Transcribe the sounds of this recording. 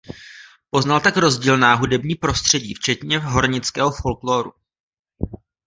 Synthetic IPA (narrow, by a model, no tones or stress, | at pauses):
po̞znalt̪akɾo̞zɟiːlnaːɦudɛbɲiːpɾo̞st̪r̝̥ɛɟiːft͡ʃɛt̪ɲɛɦo̞ɾɲɪt͡skɛːɦofo̞lkloːɾṵ